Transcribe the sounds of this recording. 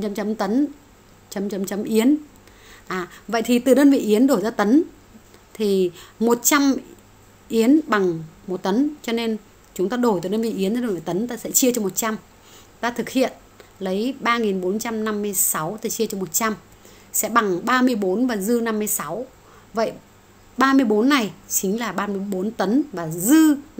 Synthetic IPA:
t͡ɕa˧mt͡ɕə˨˦mt̪ə˨˦n | t͡ɕə˨˦mt͡ɕə˨˦mt͡ɕə˨˦mʔi˨˦ən | ʔaː˨˩və̰˧˨jt̪ʰi˨˩t̪ɨ˨˩ɗəː˧nvḭ˧˨ʔi˨˦ənɗo˧˩jzaː˧t̪ə˨˦n | t̪ʰi˨˩mo˨˩t̚t͡ɕa˧m | ʔi˨˦ənɓa˨˩ŋmo˨˩t̚t̪ə˨˦nt͡ɕɔ˧ne˧n | t͡ɕʊ˨˦ŋ͡mt̪aː˧ɗo˨˩jt̪ɨ˨˩ɗə˧nvḭ˧˨ʔi˨˦ənzaː˧ɗo˧˩vḭ˧˨˩t̪ə˨˦nt̪aː˧sɛ̰˧˥t͡ɕi˧ət͡ɕɔ˧mo˨˩t̚t͡ɕa˧m | t̪aː˧t̪ʰɨ˨˩k̚hḭ˧˨ən | lə˨˦jɓaː˧ŋi˨˩nɓo˨˦nt͡ɕa˧mna˧mːɨ˧əjsa˨˦wt̪ʰɨ˨˩t͡ɕi˧ət͡ɕɔ˧mo˨˩t̚t͡ɕa˧m | sɛ̰˧˥ɓa˨˩ŋɓaː˧mɨ˧əjɓo˨˦nvaː˨˩zɨ˧na˧mːɨ˧əjsa˨˦w | və̰˧˨j | ɓaː˧mɨ˧əjɓo˨˦nːa˨˩jt͡ɕï˨˦ŋ̟laː˨˩ɓaː˧mɨ˧əjɓo˨˦nt̪ə˨˦nvaː˨˩zɨ˧

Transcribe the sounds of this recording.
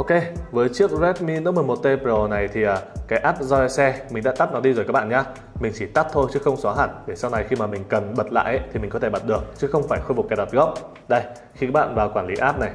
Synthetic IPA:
ʔo˧wke˧vəː˨˦jt͡ɕɨ˦˥ək̚zɛ˦˥t̚mi˧nɨ˧˦˥mɨ˨˩ə˩mo˨˩t̚t̪e˧po˨˩na˨˩jt̪ʰi˨˩ʔəː˨˩kaː˨˦jʔaː˦˥p̚zɔ˧ɛ˧sɛ˧mï˨˩ŋ̟ɗa̰ː˧˥t̪a˦˥p̚nɔ˨˦ɗi˧zo˨˩jkaː˦˥k̚ɓa̰ː˧˨ɲaː˧ | mï˨˩ŋ̟t͡ɕi˧˩t̪a˦˥p̚t̪ʰo˧jt͡ɕɨ˨˦xə˧wŋ͡msɔ˨˦ɦa̰ː˧˩nɗe˧˩sa˧wna˨˩jxi˧maː˨˩mï˨˩ŋ̟kə˨˩nɓə˨˩t̚la̰ː˧˨jʔə˦jt̪ʰi˨˩mï˨˩ɔ˨˦t̪ʰe˧˩ɓə˨˩t̚ɗɨ˨˩ək̚t͡ɕɨ˨˦˥xə˧wŋ͡mfaː˧˩jxo˧jfʊ˨˩k͡p̚kːa˨˦jɗa˨˩ɣɔ˦˥p̚ | ɗə˧j | xi˧ka˦˥k̚ɓa̰ː˧˨nvaː˨˩wkwaː˧˩nli˨˦ʔaː˦˥p̚na˨˩j

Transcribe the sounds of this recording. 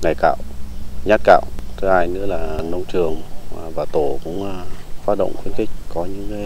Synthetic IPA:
ŋa˨˩jka̰ː˧˨wɲaː˦˥t̚ka̰ː˧˨wʔt̪ʰo˧˦ʔaː˧jnɨ̰˧˥laː˨˩nə˧wŋ͡mt͡ɕɨ˨˩əŋː˨˩vaː˨˩t̪o˧˩kʊ̰˧˥ŋ͡maː˧faː˦˥t̚ɗə̰˧˨wŋ͡mxwi˧˦ənxï˨˩k̟̚kɔ˨˦ɲɨ̰˧˥ŋe˨˦

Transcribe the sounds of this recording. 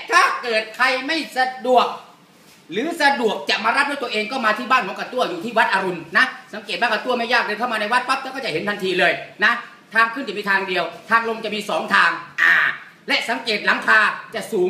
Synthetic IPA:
t̪ʰaː˥˩kɤː˨˩t̪̚kʰa˧jma˥˩jsa˧du˨˩ək̚ | lɯː˨˦sa˧du˨˩ək̚t͡ɕa˨˩ʔmaː˧ɾa˦˥p̚d̪u˥˩t̪ːəʔeː˧ŋkɔː˥˩maː˧t̪ʰiː˥˩baː˥˩nkʰɔ˨˦ŋka˧t̪u˥˩ɐjuː˨˩t̪ʰiː˥˩wa˦˥t̪̚ʔaː˧ɾu˧nna˦˥sa˨˦ŋkeː˨˩baː˥˩ka˧t̪u˥˩əma˥˩jaː˥˩k̚ɾɤː˧kʰa˥˩mː˧na˧jwa˦˥t̪̚pa˦˥p̚t̪ɛː˧˩kɔː˥˩t͡ɕa˨˩he˨˦nt̪a˧nt̪ʰiː˧lɤː˧jna˦˥ | t̪ʰaː˧ŋkʰɯ˥˩nt͡ɕa˨˩miː˧t̪ʰaː˧ŋdi˧əwt̪ʰaː˧ŋlo˧ŋt͡ɕa˨˩miː˧sɔː˩˦ŋt̪ʰaː˧ŋʔaː˨˩ | lɛ˦˥ʔsa˨˦ŋkeː˨˩t̪̚la˩˦ŋt̪ʰaː˧t͡ɕa˨˩ʔsuː˨˦ŋ

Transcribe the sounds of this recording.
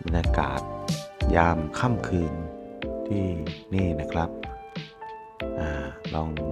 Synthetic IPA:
mi˧naː˧ka̰ː˨˩t̪̚jaː˧mkʰa˥˩mkʰɯː˧nt̪ʰiː˥˩niː˥˩na˦˥kʰɾa˦˥p̚ | ʔaː˧˩lɔ˧ŋ

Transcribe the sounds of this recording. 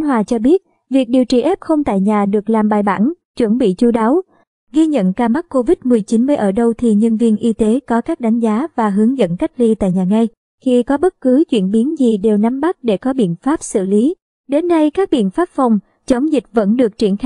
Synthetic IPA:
nɦwaː˨˩t͡ɕɔ˧ɓi˦˥ət̚ | vi˨˩ək̚ɗi˨˩əwt͡ɕi˨˩ʔɛ˦˥p̚xə˧wŋ͡mt̪a̰ː˧˨jɲaː˨˩ɗɨ˨˩ək̚laː˨˩mɓaː˨˩jɓa̰ː˧˩nt͡ɕwə˧˩nɓḭ˧˨t͡ɕu˧˦ɗaː˨˦w | ɣi˧ɲə̰˧˨nkaː˧˩ma˦˥k̚kːo˧vi˦˥t̚mɨ˨˩əjt͡ɕi˨˦nm˧jʔəː˧˩ɗə˧wt̪ʰi˨˩ɲə˧nvi˧ənʔi˧t̪e˨˦kɔ˨˦kaː˦˥k̚ɗa˨˦jŋ̟zaː˨˦vaː˨˩ɦɨ˨˦əŋzə̰˧˨nka˦˥k̟̚li˧t̪a̰ː˧˨jɲaː˨˩ŋa˧j | xi˧kɔ˨˦ɓə˦˥t̚kɨ˨˦t͡ɕwḭ˧˩ənɓi˨˦ənzi˨˩ɗe˨˩wna˨˦mɓa˦˥t̚ɗe˧˩kɔ˨˦ɓḭ˧˨ənfaː˦˥p̚sɨ̰˧˨li˨˦ | ɗe˨˦nːa˧jkaː˦˥k̚ɓḭ˧˨ənfaː˦˥p̚fa˨˩wŋ͡m | t͡ɕə˨˦wŋ͡mzï˨˩k̟̚və̰˧˥nɗɨ˨˩ək̚t͡ɕḭ˧˩ənx

